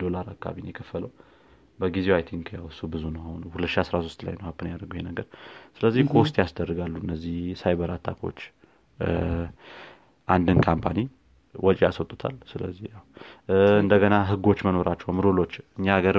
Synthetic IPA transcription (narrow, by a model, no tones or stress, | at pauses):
d̪o̞laɾakʰːa̰βineɛkʰəfːələw | bəɡizewajt̪ʰiŋkʰjawsubɨzunəwhunhulət̪ːʃiasɾasost̪la̰jnəwhapʰːɨnjad̪əɡəwjhenəɡəɾsɨləzːihkʰoʊst̪ʼjasd̪ərːɨɡalːuɨnːəzːihsajbəɾat̪ʰːakʰo̞̰t͡ʃː | ʔand̪ɨnkʰampʰani | wʔɔt͡ʃʼijaswɔt̪ʼu̥t̪ʰa̰lsɨlə̰zːihjaw | ɨnd̪əɡənaɦɨɡo̞t͡ʃːməno̞ɾʔat͡ʃːɛwamɨɾolo̞t͡ʃːɨɲːaːɡəɾ